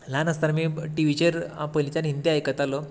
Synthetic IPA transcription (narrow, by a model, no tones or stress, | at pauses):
lanəst̪aɾmiːʈiʋit͡ɕeɾpəjlit͡ɕanɦint̪iajkət̪alo